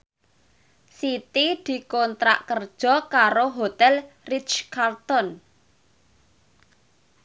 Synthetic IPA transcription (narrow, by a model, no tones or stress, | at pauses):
sit̪id̪̥i̤kont̪ɾa̰ʔkərd̥ʒ̥ɔ̤kaɾoɦot̪ɛlrit͡ʃkart̪ɔn